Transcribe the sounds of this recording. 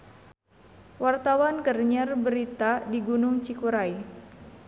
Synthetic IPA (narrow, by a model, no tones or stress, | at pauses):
wart̪awankərɲərbəɾit̪adiɡunʊŋt͡ʃikuɾaj